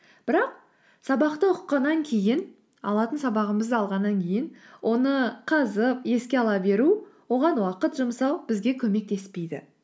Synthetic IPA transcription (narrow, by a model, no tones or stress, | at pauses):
b̥ɪɾɑq | sɑbɑqt̪əʊqːɑnːɑŋkʲʰe̞jɪn | ɑ̰lˠɑt̪ənsɑbɑʁəməzd̪əɑlˠʁɑnːɑŋkʲʰe̞jɪnwʔo̞nəqʰɑzəpje̞skʲe̞ɑlˠɑbe̞ɾuwo̞ʁɑnwɑqət̪ʒʊmsɑwb̥ɪzɡʲe̞kʲʰɵme̞k̚t̪e̞spe̞jd̪ɪ̰